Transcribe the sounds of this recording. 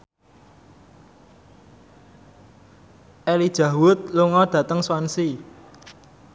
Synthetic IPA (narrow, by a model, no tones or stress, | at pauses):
ʔɛlid̥ʒ̥ä̤wʊt̪̚luŋɔɖ̥ä̤t̪əŋswansi